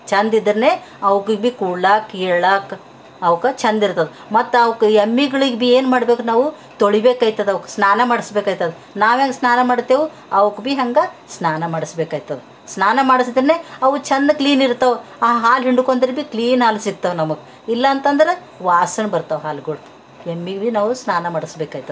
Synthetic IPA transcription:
t͡ʃɐnd̪id̪ɐɾneː | ɐʋukɡbikuɽɭaːkeɭaːk | ɐʋkɐt͡ʃɐnd̪iɾt̪ɐd̪u | mɐt̪ːuɐʋɐkɐmːiɡɐɭiɡbieːnmaːɽbeːkunaːʋu | t̪oɭibeːkaːjit̪ːɐd̪ɐʋkɐsnaːnɐmaːɽisbeːkaːjit̪ɐd̪u | naːʋaːɡsnaːnɐmaːɽt̪ːeːʋu | ɐʋukbiɦɐŋɡɐ | snaːnɐmaːɽisbeːkaːjit̪ːɐd̪e | snaːnɐmaːɽisid̪ɐɾɐneːɐʋut͡ʃɐnd̪ɐkliːniɾt̪ɐʋaɦaːlɦiɳɖukond̪ɐɾebiːkliːnɦaːlsiɡ̚t̪ɐʋnɐmɐɡe | ilːɐːnt̪ɐnd̪ɐɾe | ʋaːsɐnbɐɾt̪ɐʋɦaːlɡoɽ | jemːiɡbinaːʋusnaːnɐmaːɽisbeːkaːjit̪ɐ

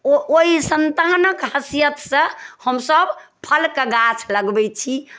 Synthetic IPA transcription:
ooisənt̪anəkɦəsijət̪sə̃həmsəb | pʰəlkeɡat͡ʃʰləɡbɛt͡ʃʰi

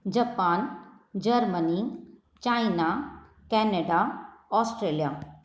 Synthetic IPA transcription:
d͡ʒɐpaːn | d͡ʒəɾməni | t͡ʃaːina | kɛneɖaɔːsʈɾeːlija

